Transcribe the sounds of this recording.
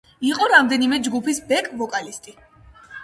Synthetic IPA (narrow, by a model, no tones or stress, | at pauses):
iqʼɔɾamd̪ɛnimɛd͡ʒɡupʰisbɛkʼvɔkʼalist̪ʼi